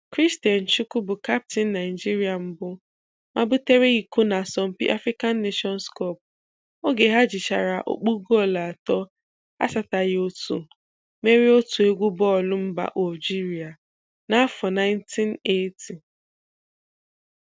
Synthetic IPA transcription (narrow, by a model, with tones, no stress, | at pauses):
kɾi˦sti˨a˨n̩˨t͡ʃu˦ku˦bʊ˨ka˦p̚ti˦nː˦a˨ɪ˨d͡ʒi˦ɾi˦a˨m̩˦bʊ˦ | mʔa˦bʊ˦te˦ɾe˦ɣi˨kʊ˦na˨sɔ˨m̩˦pḭ˦ʔa̰˦fɾi˦ka˦n̩ː˦e˦ʃɔ˦n˦skɔ˦˨p̚ | o˦ɡe˨ɦa˦d͡ʒi˨t͡ʃa̰˨ɾa˨ʔo̰˦k͡pu˦ɡo˦˨la˨tɔ˦ | a̰˦sa˨ta˨ɣo˦tṵ˨ | me˦ɾi˦o˦tu˨e˦ɡʷu˦bɔ˦˨lʊ˦m̩˦ba̰˨ʔo˨d͡ʒi˦ɾi˨a˨ | na˦a˦fɔ˨na˦ɪ˦n̩˦tʰi˦ne˦tʰi˨